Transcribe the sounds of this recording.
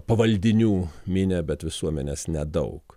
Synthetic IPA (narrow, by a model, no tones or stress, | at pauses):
pɐʋɐlʲd̪ʲɪnʲuːmʲɪnʲɛbʲɛt̪ʋʲɪsuɔmʲɛnʲeːsnʲɛd̪ɐʊk